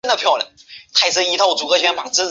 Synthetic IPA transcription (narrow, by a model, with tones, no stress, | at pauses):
nd̪ə˨˧pʰjɑ˥˧ʊlja̰˧˥˦nt̪ʰa˥˩ɪs̩ʰ˥˩i˧˥t̪ʰɑ˥˩ʊt͡su˨˩kɤ˧˥ɕɥɛ˧˥npa˨˩t͡sɹ̩˥